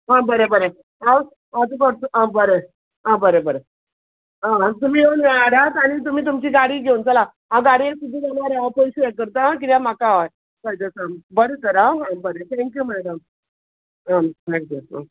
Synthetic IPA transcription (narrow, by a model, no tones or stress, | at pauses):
ɦãbəɾebəɾe | ɦãw | ad͡zukəɽt̪uʔãbəɾe | ɦãbəɾebəɾe | ɦãt̪um̤iːɦeunʋɛɭaɽat̪aɽ̃it̪̬um̤iːt̪umt͡ɕiːɡaɽiːɡʱeunt͡səlã | ɦãɡaɽiesud̪ʱːiɡanaɾapəjɕejekəɾt̪aãk̬it̪jãmakaɦaj | kəjd͡z̪əsãmbəɾesəɾãɦãbəɾet̪ʰɛ̃ŋkjumæɽəm | ɦãt̪ʰɛ̃ŋkjuɦã̰